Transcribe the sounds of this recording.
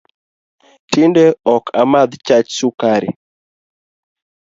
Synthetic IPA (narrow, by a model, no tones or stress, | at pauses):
tindɛɔkʰamad̪t͡ʃat͡ʃsukaɾɪ̰